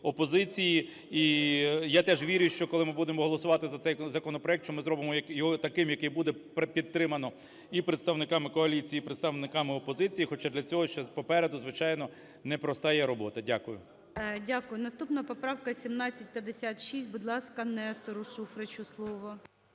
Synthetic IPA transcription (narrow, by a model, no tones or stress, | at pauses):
ɔpɔzɪt͡sʲiji | ijat̪ɛʒʋʲiɾʲjʊʃt͡ʃɔkɔlˠɪmɪbud̪emɔɦɔlˠɔsʊʋɑt̪ɪzɐt̪sɛjzɐkɔnɔpɾɔɛk̚t̪t͡ʃɔmɪzɾɔbɪmɔjɐkjɔɦɔt̪ɐkɪmjɐkɪjbud̪ɛppʲid̪̚t̪ːɾɪmɐnɔ | ipɾet̪st̪ɐʋnɪkɑmɪkɔɐlʲit͡sʲijiːpɾet̪st̪ɐʋnɪkɑmɪɔpɔzɪt͡sʲijixɔt͡ʃad̪lʲɐt͡sʲɔɦɔʃt͡ʃɛpɔpɛɾed̪ʊzʋɪt͡ʃɑjnɔ | nɛpɾɔst̪ajɛɾɔbɔt̪ɐdʲakʊjʊ̰ | dʲakʊjʊnɐst̪upnɐpɔpɾɑwkɐsʲimnɑt͡sʲːɐt̚ʲpʲjɐd̪esʲat̪ʃisʲt̚ʲbʊd̪lˠɑskɐnɛst̪ɔɾʊʃufɾet͡ʃʊslˠɔʋʊ